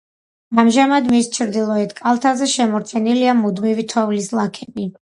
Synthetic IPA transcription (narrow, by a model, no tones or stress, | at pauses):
amʒamad̪mist͡ʃʰɾd̪ilˠɔɛt̪kʼalˠt̪ʰazɛʃɛmɔɾt̪sʰɛniliamud̪mivit̪ʰɔvlislˠakʰɛbi